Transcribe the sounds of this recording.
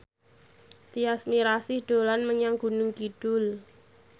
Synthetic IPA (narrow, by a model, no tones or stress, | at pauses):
t̪iasmiɾasɪhɖ̪̥o̤lanməɲaŋɡ̥ṳnʊŋkiɖ̥ʊl